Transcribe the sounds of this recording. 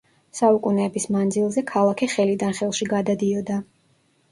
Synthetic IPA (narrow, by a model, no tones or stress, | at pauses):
saukʼunɛːbismand̪zilˠzɛkʰalˠakʰiχɛlid̪anχɛlˠʃiɡad̪ad̪iɔd̪a